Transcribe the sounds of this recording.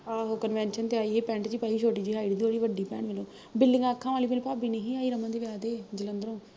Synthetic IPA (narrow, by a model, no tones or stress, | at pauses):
aːɦoːkənʋɛ̃ːnʃənt̪eaːiːɦeːpɛ̃ːɳʈt͡ʃiːpaːiːʃʰoːʈiːd͡ʒiːɦaːɪɖid̪iːoːɽiːʋəɖiːpɛ̃ːɳʋəlõː | bɪlːɪ̃ŋɡaːkʰːãːʋaːliːbɪnpaːbiːnəɦĩːaːiːɾəmãːd̪eːʋɪjaːd̪eːd͡ʒələnd̪əɾõː